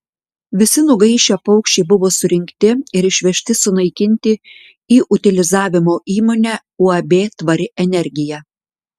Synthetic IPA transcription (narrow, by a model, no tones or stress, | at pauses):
ʋʲɪsʲɪnʊɡɐɪʃʲɛpɒʊkʃʲt͡ʃʲɛɪbʊʋoːsʊɾʲɪŋʲkt̪ʲɪɪɾɪʃʲʋʲɛʃʲt̪ʲɪsʊnɐɪkʲɪnʲt̪ʲɪ | iːʔʊt̪ʲɪlʲɪzɑːʋʲɪmoːʔiːmoːnʲæ | uɐbʲeːt̪ʋɐɾʲɪʔɛnʲɛɾʲɡʲɪjɛ